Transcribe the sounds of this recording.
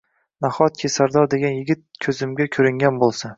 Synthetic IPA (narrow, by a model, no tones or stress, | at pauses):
naχɒt̪̚kʲʰesaɾd̪ɒɾd̪e̞ɡʲanjɪɡʲɪt̪̚kʲʰɵzɪmɡʲakʲʰɵɾɪŋɡʲanbolˠsa